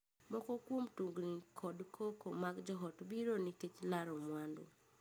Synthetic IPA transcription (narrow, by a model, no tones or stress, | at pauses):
mɔkɔkwomtuŋɡnikʰɔdkʰokomaɡd͡ʒɔɦɔtbiɾonitet͡ʃlaɾɔmwando̰